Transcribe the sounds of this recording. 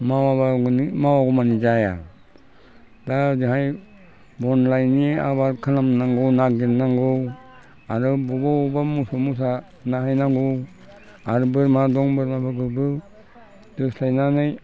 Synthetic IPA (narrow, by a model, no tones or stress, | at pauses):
mawabaɡnimawaɡumanid͡ʒaja̰ | dad͡ʒɯɦaj | bɔnlajniaβaɾkʰanamnaŋɡɔwnaɡiɾnaŋɡɔ | aɾɯbubaubamusomus̬a | naɦajnaŋɡɔ | aɾɯbɯɾmadɔŋbɯɾmabaɡɯɾbɯ | dɯslajnanɯj